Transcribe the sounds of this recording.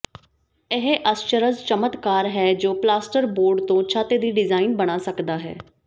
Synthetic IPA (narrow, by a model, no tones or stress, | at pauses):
ɪɦeʔəst͡ʃəɾəzt͡ʃəmət̪kaːɾɦɛːd͡ʒoːplaːsʈəɾboːɾɖt̪õːt͡ʃʰaːt̪eːd̪iːɖɪzaːinbəɽ̃aːsəkd̪aːɦɛ̰ː